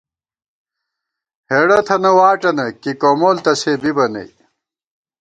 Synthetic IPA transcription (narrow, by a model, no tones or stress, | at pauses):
heɽɐt̪ʰɐnɐwaːʈɐnɐkikomoːlt̪ɐseːbibɐnɐ̰j